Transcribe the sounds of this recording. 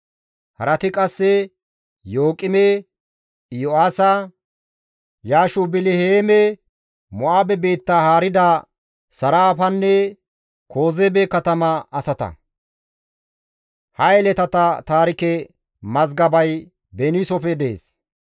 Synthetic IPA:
hɐ̰ɾɐt̪ɪkʼɐsːɛ | jo̞ːkʼɪmɛ | jɔaːsɐ | jaːʃʊbɪlɪheːmɛ | mɔʔaːbɛbeːt̪ːahaːɾɪd̪a | sɐɾaːfɐnːɛ | kʰo̞ːzebɛkɐt̪ɐmɐɐsɐt̪ɐ̰ | hɐɛlɛt̪ɐt̪ɐt̪aːɾɪkɛ | mɐzɡɐbɐj | bɛnisɔpɛd̪ḛːs

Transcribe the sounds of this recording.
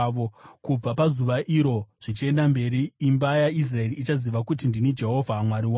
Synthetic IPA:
okub͡vapazuʋaʔiɾo̞ʐ̥it͡ʃie̞ndambe̞ɾiːmbajais̬rae̞riːt͡ʃaziʋakutindinid͡ʒe̞ɦo̞vʱamwaɾiwaː

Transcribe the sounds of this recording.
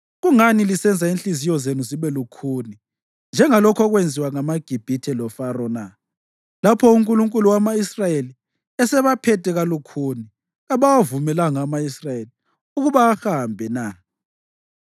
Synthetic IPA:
ɣuŋanilisɛnd͡zʱainɬizijɔzenuziβɛlukʰuni | nd͡ʒʱɛŋalɔkʰɔɣwend͡zʱiwaŋamaɡ̥ʱib̥ʱitʰɛlɔfaɾɔna | lapʰɔuŋkʼuluŋkʼuluwamaisrajeli | ɛsɛβapʰɛtʼɛɣalukʰuni | ɣaβawavumɛlaŋamaisrajeli | uɣuβaːhambʱɛna

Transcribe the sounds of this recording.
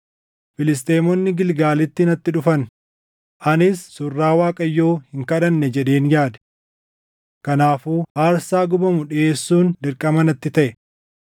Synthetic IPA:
fɪlɪs̬t̪e̞ːmɔnːɪɡɪlɡaːlɪt̪ːɪɪnɐt̪ːɪᶑʊfɐn | ʔɐnɪsːʊrːaːwaːkʼɐjːo̞ːhɪŋkɐᶑɐnːɛd͡ʒɛᶑeːnjaːd̪ɛ̥ | kɐnaːfuːhaːɾsaːɡʊbɐmʊᶑeːsːuːnd̪ɪɾkʼɐmɐnɐt̪ːɪt̪ɐʔɛ

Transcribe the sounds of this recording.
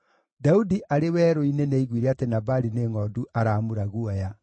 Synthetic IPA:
daudiʔaɾewɛːɾoineneiɣwiɾɛatenabaɾineːŋɔduʔaɾaːmuɾaɣuɔja

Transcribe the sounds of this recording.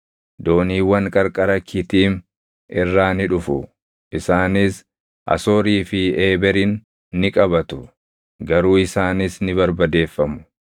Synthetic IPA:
d̪o̞ːniːwɐŋkʼɐɾkʼɐɾɐkʰːɪt̪iːm | ɪrːaːnɪᶑʊfʊ | ʔɪsaːnɪs | ʔɐ̰so̞ːɾiːfɪeːbɛɾinː | ɪkʼɐbɐt̪ʊ | ɡɐɾuːɪsaːnɪsnɪbɐɾbɐd̪e̞ːfːɐmʊ̥

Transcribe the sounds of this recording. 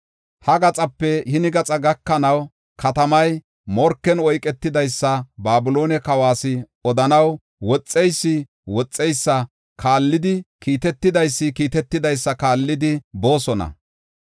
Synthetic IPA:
hɐɡɐt͡sʼɐpːɛhɪnɪɡɐt͡sʼɐɡɐkːɐnɐw | kɐt̪ɐmɐj | mɔɾkːɛnɔjkʼɛt̪ːɪd̪ɐjsːɐbaːbʊlo̞ːnɛkɐwaːsɪ | ɔd̪ɐnɐw | wɔt͡sʼːɛjsːɪ | wɔt͡sʼːɛjsːɐ | kaːlːɪd̪ɪkiːt̪ɛt̪ːɪd̪ɐjsːɪkiːt̪ɛt̪ːɪd̪ɐjsːɐkaːlːɪd̪ɪbo̞ːsɔnɐ̰

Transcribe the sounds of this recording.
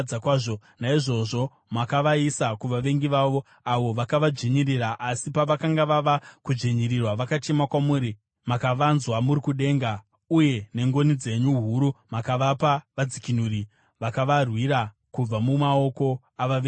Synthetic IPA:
akwaːʐo̞ | naiʐo̞ʐo̞ | makaʋaisakuʋaʋe̞ŋɡiʋaʋo̞ | aʋo̞ʋakaʋad͡ʒeɲiriraʔasipaʋakaŋɡaʋaʋakud͡ʒeɲirirwaʋakat͡ʃe̞makwamuːɾi | makaʋanzwamuɾikuɗe̞ːŋɡa | uje̞ne̞ŋɡo̞nid͡ze̞ɲuɦuɾumakaʋapaʋad͡zikinuɾi | ʋakaʋarwiɾa | kub͡vamumao̞ko̞ | aʋaʋeː

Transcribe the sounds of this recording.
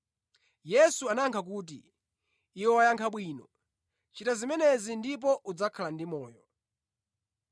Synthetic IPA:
jɛsuanaŋkʰak̬uːt̬ḭː | wɔwajaŋkʰaɓwiːnɔ | t͡ʃitazimɛnɛzindipɔʔud͡zakʰalandimɔːjɔ

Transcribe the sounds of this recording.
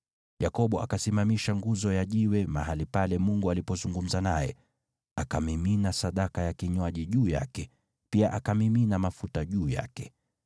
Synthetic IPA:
jakɔɓɔa̰kasimamiʃaŋɡuzɔjaʄiwɛmaɦalipalɛmuŋɡualipɔzuŋɡum̩zanajɛ̰ | akamiminasaɗakajakiɲwaʄiʄuːja̰kɛ | piaʔakamiminamafutaʄuːja̰kɛ

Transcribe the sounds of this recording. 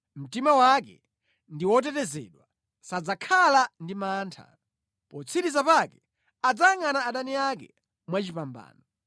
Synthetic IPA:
m̩timawakɛ̰ | ndiwɔtɛtɛzɛ̰ɗwa | sad͡zakʰalandimaːntʰa̰ | pɔt͡sʰiɾisapakɛ | ad͡zaŋanaːɗaniakɛ̰ | mwat͡ʃipamba̰ːnɔ

